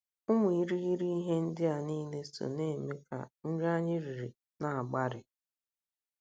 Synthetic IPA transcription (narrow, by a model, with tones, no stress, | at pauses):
ʊ˦m˦˨i˦˨ɾi˦ɣi˦ɾi˦i˦ɦe˦n̩˦dɪ˦a˨ni˦le˦so̰˨ne˦˨me˦ka̰˨n̩˦ɾa˦ɲɪ˦ɾi˨ɾi˨ | na˨a˨ɡ͡ba˦ɾɪ˨